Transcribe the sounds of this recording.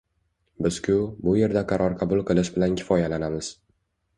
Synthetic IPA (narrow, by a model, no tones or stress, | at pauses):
bɪz̥kʲʰʊbʊje̞ɾd̪aqʰɑɾʔɒɾqʰɑbʊlˠqʰɨlˠɪʃbɪlankʲʰɪ̥fɒjalanamɪz̥